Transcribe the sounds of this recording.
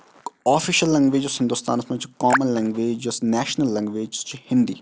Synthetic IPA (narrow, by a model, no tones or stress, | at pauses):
ɔːfʰiːʃəlːɛ̃ŋɡʋeːd͡ʒəshɪ̃nd̪ʊst̪a̰ːnsmɐ̃t͡ʃkaːmənlɛ̃ːŋɡʋeːd͡ʒəsnɛːʃnəlːɛ̃ːŋɡʋeːd͡ʒt͡ʃhɪ̃nd̪ḭː